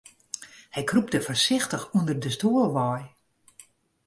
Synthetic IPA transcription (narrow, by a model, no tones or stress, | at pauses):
hɛjkrup̚dəfərsɪxtəxundərdəstuːəlˠʋɔj